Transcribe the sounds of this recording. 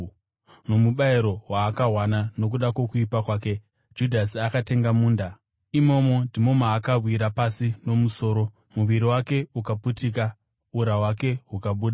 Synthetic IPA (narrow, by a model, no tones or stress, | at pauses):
no̞muɓaiɾo̞waːkaɦwanano̞k̬uɗakwo̞kuipakwaːke̞ | d͡ʒudʱasiakate̞ŋɡamuːnda | imo̞mo̞ndʱimo̞maːkarwiɾapasino̞muso̞ːɾo̞ | muʋiɾiwake̞ukaputiːk̬a | uɾawake̞ɦukaɓuːɗa